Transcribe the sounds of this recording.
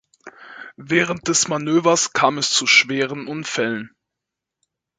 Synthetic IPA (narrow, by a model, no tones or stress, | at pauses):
vɛːʁ̞ənt̚d̥ɛsmanøːvɐskʰaːmɛst͡suʃv̥eːʁ̞ənʔʊnfɛlən